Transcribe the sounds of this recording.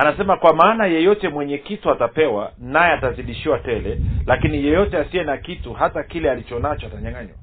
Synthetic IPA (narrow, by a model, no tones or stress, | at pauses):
anasɛmakwamaːnajɛjɔtɛmwɛɲɛkituatapɛwa̰najɛataziɗiʃiwatɛlɛlakinijɛjɔtɛasiɛnakituhatakilɛalit͡ʃɔnat͡ʃɔataɲaŋaɲwa̰